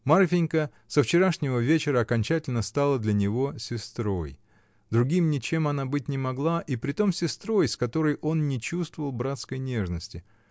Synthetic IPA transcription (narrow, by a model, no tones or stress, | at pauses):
marfʲɪnʲkə | səft͡ɕɪɾaʂnʲɪvəvʲet͡ɕɪɾəɐkɐnʲt͡ɕætʲɪlʲnəst̪alˠəd̪lʲɐnʲɪvo̞sʲɪst̪ɾo̞̰j | d̪ɾʊɡʲimnʲɪt͡ɕe̞mɐnabɨt̚ʲnʲɪmɐɡlˠaʔipɾʲɪt̪o̞msʲɪst̪ɾo̞jskɐt̪o̞ɾəjʔo̞nnʲɪt͡ɕust̪vəvəlˠbɾat̪skəjnʲe̞ʐnəsʲtʲɪ